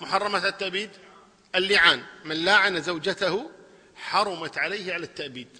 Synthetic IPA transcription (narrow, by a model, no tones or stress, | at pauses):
mʊħɑrˤːɑmaat̪ːaʔbiːd̪ | ʔɪlːɪʕaːnmɪnlaːʕanazawd͡ʒat̪ahʊ | ħɑɾˤʊmat̪ʕaleːhʕalat̪ːaʔbiːd̪̚